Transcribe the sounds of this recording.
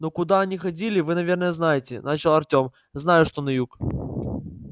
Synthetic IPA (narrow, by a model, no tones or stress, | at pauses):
nokʊd̪aɐnʲixɐdʲilʲɪvɨnɐvʲe̞rnəjəznajɪtʲɪ̰nat͡ɕɪlˠɐrtʲom | znajʊʂt̪onɐjuk